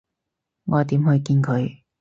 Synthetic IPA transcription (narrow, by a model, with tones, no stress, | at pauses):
ŋɔː˨˧t̪iː˨˥mhɵ˧ɥkiː˧nkʰɵ˨˧ɥ